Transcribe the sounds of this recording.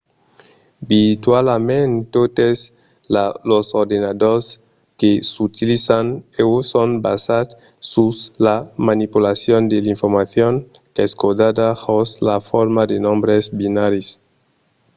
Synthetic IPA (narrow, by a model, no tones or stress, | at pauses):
bit̪walamẽnt̪ot̪es | lalosoɾd̪enad̪oɾs | kesut̪ilisanewusonbasat̪ | suslamanipulasjond̪eliɱfoɾmaθjoŋ | keskod̪ad̪ahoslafoɾmad̪enõmbɾezbinaɾis